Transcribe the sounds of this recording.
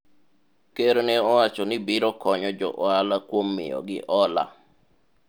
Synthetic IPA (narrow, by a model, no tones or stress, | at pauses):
keɾnɛɔwat͡ʃɔnɪbɪɾɔkɔɲɔd͡ʒɔ̰ʔɔalakwomːɪ̰jɔ̰ɡɪ̰ʔɔla̰